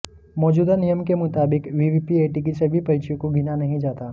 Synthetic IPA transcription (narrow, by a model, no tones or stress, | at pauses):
mɔːd͡ʒuːd̪anijəmkemʊt̪aːbɪkʋiːʋipieːʈik̬isɐbʱipɐlt͡ʃjõkoɡʱɪnanɐɦĩd͡ʒaːt̪aː